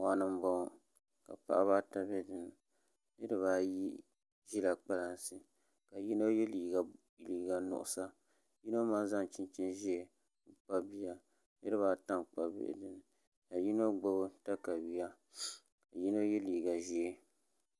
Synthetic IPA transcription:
waː˨˦nɨ˦m˦bo˦˨ | ka̰˨pa̰˦ʔa˦βaː˦ta˦bɛ˦dɨ˨n˨ | nɨ˦dɨ˨βaː˦ji˦ | ʒi˦la˨k͡pa˦la˨n˨sɨ˨ | ka˨ji˦no˦jɛ˦liː˨ɡa˨ | liː˨ɡa˨nʊ̰˨ʔʊ̰˨sa˦ | ji˦no˦ma˦n˦za˦ŋ˨t͡ʃi˦nt͡ʃi˦nʒi˦e˨ | k͡pa˦bi˦ja˦ | nɨ˦dɨ˦βaː˨˦ta˦ŋk͡pa˦bḛ˦ʔdɨ˨n˨ | ka˨ji˦no˦ɡ͡bo˦bɨ˦ta˦ka˨wi˦ja˦ | ka˨ji˦no˦jɛ˦liː˨ɡa˨ʒi˦e˦

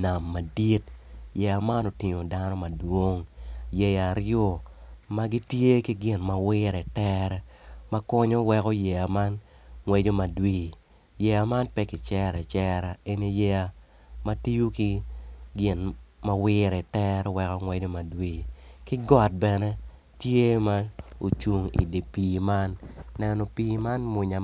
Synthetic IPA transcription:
na˨mːa˨di˦t̚jɛ˨a˨ma˦no˨ti˨ɲo˨da˦nɔ˦ma˨dwo˦ŋje˨ja˨ɾɪo˦ma˦ɡi˦tje˦ki˦ɡɪ˨nma˨wɪ˦ɾɛ˨tɛ˦ɾɛ˦ma˦kɔ˦ɲo˦wɛ˦kɔ˦jɛ˨a˨ma˦nŋwɛ˦d͡ʒo˦ma˨dwiː˦˨ | jɛ˨a˨ma˦npɛ˦kɪ˨t͡ʃɛ˦ɾɛ˨t͡ʃɛ˦ɾa˨e˦ni˦jɛ˦a˨ | ma˦ti˦ju˦ki˦ɡɪ˨nma˨wɪ˦ɾɛ˨tɛ˦ɾɛ˦wɛ˦kɔ˦ŋwɛ˦d͡ʒo˦ma˨dwiː˦˨kɪ˦ɡɔ˦˨t̚bɛ˨nɛ˦ | tje˦ma˦o˨t͡ʃu˨ŋḭ˨de˨piː˨ma˦nːɛ˦nɔ˨piː˦ma˦nmʊ˨ɲa˨

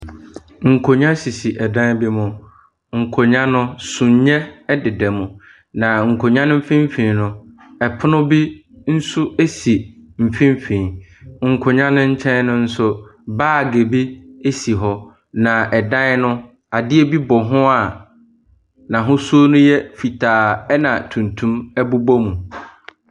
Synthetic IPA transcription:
ŋ̩˨kʰo˨ɲã˦si˨si˨ʔɛ˨dã˦bi˦mʊ̃˨ | ŋ̩˨kʰo˨ɲã˦nʊ̃˦sũ˨ɲɲɛ̃˦dɪ˨dɛ˨mʊ̃˨ | nã˨ŋ̩˨kʰo˨ɲã˦nʊ̃˦m̩˦fĩ˦m˦fĩ˨nʊ̃˨ | ɛ˨pʰʊ˦nʊ̃˦bi˦n̩˦sʊ˦e˦si˨m̩˨fĩ˦m˦fĩ˨ŋ̩˨kʰʊ˨ɲã˦nʊ̃˦ɲ̩˦t͡ɕʰɛ̃˦nnʊ̃˦n̩˦sʊ˦baː˦˨ɡe˨bi˦e˦si˨ɦɔ˦ | nã˨ʔɛ˨dã˦nʊ̃˦ | a˨dɪ˦e˦bi˦bɔ˨ɦʊ̃˦a˨ | nã˨ɦʊ̃˦su˦o˦nʊ̃˦jɛ˦fi˨tʰaː˨ɛ˦nã˨tʰũ˨ntʰũ˦mɛ˦bu˦bɔ˦mũ˨

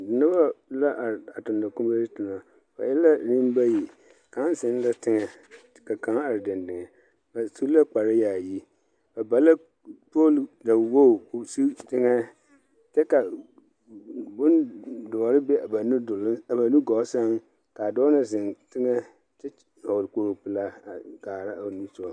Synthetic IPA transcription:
dɪ˨nʊ˦ba˦la˦ʔa˨a˨tʊ˨nda˨kʊ̃˦m˦ba˦i˦tʊ˨na˨ | ba̰˨jɪ˦la˦nɪ̃˦m˦ba˦ji˨ | kã˨˦n˦sɪ˨˦n˦la˦tɪ˦ŋɛ˨ | ka˨kã˨ŋ˦a˨ɾdɪ˨ndɪ˨ŋɛ˨ | ba˨su˦la˦k͡pa˨ɾɪ˦jaː˨ji˦ | ba˨ba˨la˦ | po˦lda˨wo˦˨su˦tɪ˦ŋɛ˦ | tɛ˦ka˨ | bʊ˦ndɔ˨ɾɪ˦be˦a˨ba˨nʊ˦dʊ˨lɪ˦a˨ba˨nũ˦ɡɔ˨˦sa˦ŋ | ka˨dɔː˦na˨s̬ɪ˨ntɪ˦ŋɛ˦ | tɛ˦ | hɔ˨wɾko˦ɾo˨pɪ˦la˦a˨ɡaː˨ɾa˦a˨nũ˦sʊ˦ɔ˨

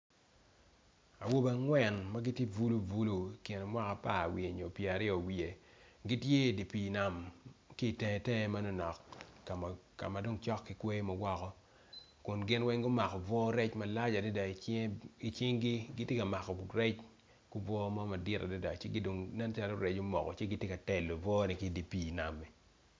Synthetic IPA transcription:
a˨wo˦ba˨ŋwɛ˨nma˦ɡɪ˦tje˦vu˦lu˦vu˦lu˨kɪ˨n˨mwa˦ka˨pa˦˨wi˨e˨ɲo˨pje˨a˨ɾɪ˦ɔ˨wi˨e˨ɡi˦tje˦˨di˨pi˨na˨mki˦˨tɛ˦˨tɛ˦ma˦no˦nɔ˨kːa˨ | ka̰˨ma˨do˦ŋt͡ʃɔ˦kːɪ˨kwe˦mɐ˨wɔ˦kɔ˦ | kʊ˨nɡɪ˦nwɛ˦ŋɡʊ˦ma˨kɔ˨vɔ˦ɾɛ˦t͡ʃma˨la˦d͡ʒa˨de˦da˨i˨t͡ʃɪ˦ŋɡi˦ɡɪ˦tje˦ka˨ma˨kɔ˨ɾɛ˦t͡ʃ | ku˦vɔ˦mɔ˦ma˨dɪ˦ta̰˨di˦da˨t͡ʃe˦ɡi˦do˨ŋnɛ˦n˦t͡ʃa˦lo˦ɾɛ˨t͡ʃo˦mɔ̰˨kɔ̰˨t͡ʃe˦ɡɪ˦tje˦ka˨tɛ˨lːo˨vɔ˦ni˨ki˦˨di˨pi˨na˨mɛ˨

